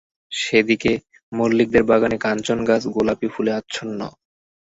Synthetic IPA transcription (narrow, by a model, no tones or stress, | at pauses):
ʃed̪ike | molːik̚d̪eɾbaɡanekant͡ɕonɡasɡolapifuleatːɕʰonːɔ̰